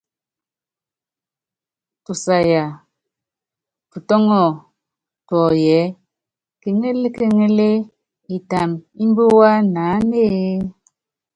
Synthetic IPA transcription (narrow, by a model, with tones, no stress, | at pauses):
tu˨sa˨ja˨ | tu˨tɔ˦ŋɔ˦˨ | tɔ˨jɛ˨˦ | ke˨ŋe˦le˦ke˦ŋe˦le˦ | e˨ta˨mi˦m˦bo˦wa˦naː˨˦neː˦